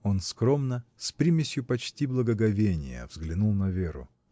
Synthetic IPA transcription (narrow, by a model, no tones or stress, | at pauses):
onskɾomnəsʲpɾʲimʲɪsʲjʊpɐt͡ɕtʲiblˠəɡəɡɐvʲenʲɪ̰jə̰vzɡlʲɪnulˠnɐvʲeɾʊ̰